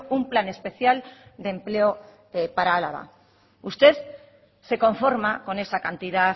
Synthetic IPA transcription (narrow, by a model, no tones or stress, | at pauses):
umplane̞spe̞θjald̪e̞mpleo | epaɾaala̰βa̰ | ust̪e̞θ | se̞ko̞ɱfo̞ɾmako̞ne̞sakant̪iða